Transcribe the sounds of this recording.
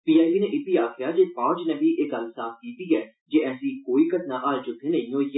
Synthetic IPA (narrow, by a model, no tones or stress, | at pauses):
piːaːʋiːnẽːʔɪt̪iːaːkʰɪjaːd͡ʒeːpãːt͡ʃnəbiːʔeːkəlsaːskiːt̪iːɛː | d͡ʒeːɛːsĩːkoːiːkət̪nãːʔaːlt͡ʃʊk̪ʰːẽːnə̃ĩoːiɛ